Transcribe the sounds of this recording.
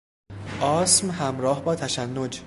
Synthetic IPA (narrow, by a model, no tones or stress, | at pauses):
ʔɒːsmhæmɾɒːhbɒːt̪ʰæʃænːod͡ʒ